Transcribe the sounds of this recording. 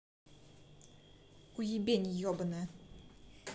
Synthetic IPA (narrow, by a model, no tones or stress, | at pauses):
kujibʲeɲijɔbnɛ